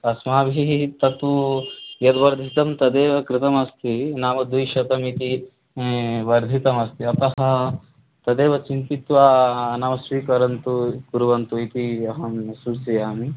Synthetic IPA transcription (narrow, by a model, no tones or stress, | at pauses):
ɐsmaːbit̪ɐt̪ujɐt̪ʋɐɾd̪ʱit̪ɐmt̪ɐd̪eːʋɐkɾɪt̪ɐmɐst̪ʰinaːʋɐd̪ujʃɐt̪ɐmit̪i | ʋɐɾd̪ʱit̪ɐmɐst̪ʰiɐt̪ɐɦɐ̆ | t̪ɐd̪eːʋɐt͡ʃint̪it̪ʋaːnaːmɐsʋiːkɐɾɐnt̪uɡuɾuʋɐnt̪uit̪iɐɦɐmsuɾsijaːmi